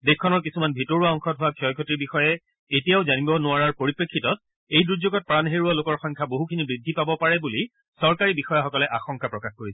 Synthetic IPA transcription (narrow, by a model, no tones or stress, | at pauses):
dekʰːɔnɔɹk̬isumanbʱitɔɹuaɔŋxɔtɦʊwakʰiɔjkʰɔtiɹbixɔjɛ | etijaʊzanibɔnʊaɹaɹpoɹipɹekʰːitɔt̚ | ejdɹuzoɡɔt̚pɹanɦeɹualokɔɹxɔjŋkʰaboɦukʰinibɹidʱːipabɔpaɹɛbuli | sɔɹkaɹibixɔjaxɔkɔlɛʔaxɔŋkapɹɔkaxkoɹisɛ